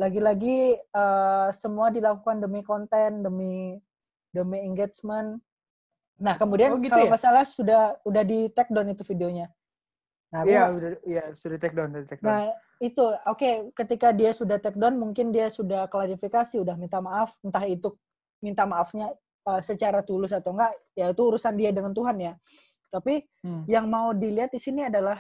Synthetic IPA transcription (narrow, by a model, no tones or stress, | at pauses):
laɡilaɡiəsəmuadilakukandəmikɔnt̪ɛndəmi | dəmiiŋɡet͡ʃmən | nahkəmudiakalomasalahsudahudahdit̪ɛk̚dɔnit̪ufideoɲa | naauajasudat̪ɛk̚dɔnit̪ɛk̚nah | it̪uokekət̪ikadiasudaht̪ɛk̚dɔnmuŋkɪndiasudahklaɾifikasiudahmint̪amaʔafnt̪aɦit̪ʊ | mint̪amaʔafɲa | əsət͡ʃaɾat̪ulʊsat̪awŋɡaʔjait̪uːɾusandiadəŋant̪uɦanja | t̪api | jaŋmaudiliɦat̪̚disiniadalah